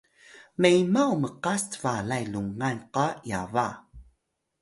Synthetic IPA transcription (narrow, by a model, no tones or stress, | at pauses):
mejmawməqastə̥valajluŋanqajava